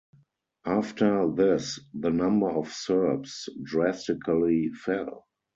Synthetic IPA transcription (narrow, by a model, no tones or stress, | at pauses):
ʔaftʰə˞ðɪsðənãmbə˞ɔfsɜ˞psdɹæstɪkʰəlifɛl